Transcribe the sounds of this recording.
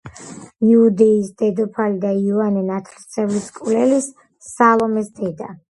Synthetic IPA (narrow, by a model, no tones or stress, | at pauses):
iud̪ɛisd̪ɛd̪ɔpʰalid̪aivanɛnat̪ʰɾt̪sʰʼɛvliskʼulɛlisː | alˠɔmɛsd̪ɛd̪a